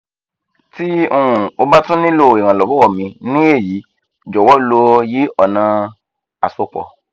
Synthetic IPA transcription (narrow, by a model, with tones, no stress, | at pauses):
ti˦o˧ũ˨o˧ba˦tũ˦nĩ˦lo˦˨i˨ɾ̃ã˨lɔ˨˦bɔ˦wɔ˦˨mĩ˧nĩ˦e˦˨ji˨˦ | d͡ʒɔ˨wɔ˦lo˧ji˦ɔ˨nã˧ | a˨so˨˧k͡pɔ̰˨